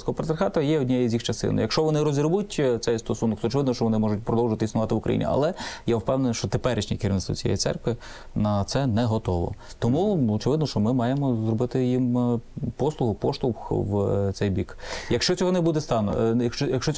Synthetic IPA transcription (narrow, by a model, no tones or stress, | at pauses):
sʲkɔɦɔpɾt̪ɾxɑt̪ɐjɛɔdʲnʲɛjizʲjixt͡ʃɐst̪ɪ̰nɪ̰jɐkʃt͡ʃɔʋɔnɪɾɔzʲiɾʋutʲt̪sɛjst̪ɔsunɔkt̪ɔt͡ʃɪʋɪd̪nɔʃt͡ʃɔʋɔnɪmɔʒʊtʲpɾɔd̪ɔwʒɪɐt̪ɪisnʊʋɑt̪ɪʋʊkɾʔɐ̰jḭnʲḭɐ̰lˠɛjawpɛwnenʃt͡ʃɔt̪epɛɾɪʃnʲikɪɾʲiɪʋnɪst̪ʋɔ̰t͡sʲijɛ̰jḭsɛ̰rkʋɪ | nɐt̪sɛnɛɦɔt̪ɔʋɔ̰t̪ɔmuɔt͡ʃɪʋɪd̪nɔʃt͡ʃɔmɪmɑjemɔzɾrɔbɪt̪ɪjimpɔslˠʊɦʊpɔʃlˠʊxʋt̪sɛjbʲikjɐkʃt͡ʃɔt͡sʲɔɦɔnɛbud̪ɛst̪ɑnɔ̰jɐkʃjɐkʃt͡ʃɔt͡sʲ